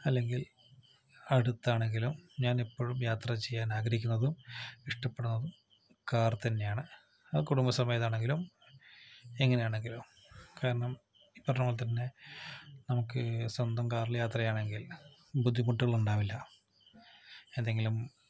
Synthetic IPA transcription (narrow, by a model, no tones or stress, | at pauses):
ɐlːe̞ŋɡil | ɐɽut̪ːaːɳe̞ŋɡilumɲaːnipːo̞ːɻumjaːt̪rɐt͡ɕejːaːnaːɡɾɐɦikʲːunːɐðumiʂʈɐpːeɽunːɐðum | kaːrt̪ɐnːe̞jaːɳɨ | ɐðɨkuɽumbɐsɐmɐjɐt̪ːaːɳe̞ŋɡilum | e̞ŋːɐnejaːɳe̞ŋɡilum | kaːɾɐɳɐm | ipːɐrɐɲːɭt̪ɐnːe̞ | nɐmukːɨsɐnd̪ʱɐmkaːriljaːt̪rɐjaːɳe̞ŋɡil | bud̪ʱːimuʈːuɣɐɭuɳɖaːʋilːɐ | e̞nd̪e̞ŋɡilum